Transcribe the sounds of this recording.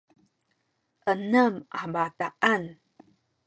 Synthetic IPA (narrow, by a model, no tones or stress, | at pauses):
ʔənəma̰bataʔan